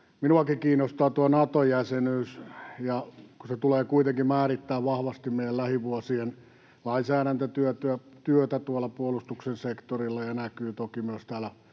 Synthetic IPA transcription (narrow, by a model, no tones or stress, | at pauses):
minuɑkikiːnːˑost̪ɑːt̪uonɑt̪ojæsenyːsjɑkuset̪uleːkuit̪eŋkimæːrit̪ːæːʋʋɑhʋɑst̪immeijˑællæhiʋuosien | lɑinsæːɾænt̪æt̪yøt̪yæ | t̪yøt̪æt̪uolːɑpuolust̪uksensekt̪orilːɑjɑnækyːt̪okimyøst̪æːlæ